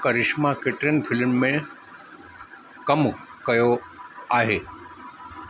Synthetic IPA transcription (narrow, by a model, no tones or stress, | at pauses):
kɐɾɪʃmakeʈɾenpʰɪlmːẽ | kɐmkɐjoaːɦeː